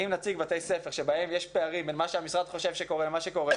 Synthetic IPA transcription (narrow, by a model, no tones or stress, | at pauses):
imnat͡siɡbat̪ejsefeʁʃebahe̞mjeʃpe̞aʁimbelmaʃeamisʁad̪χo̞ʃevʃeko̞ʁelemaʃeko̞ʁe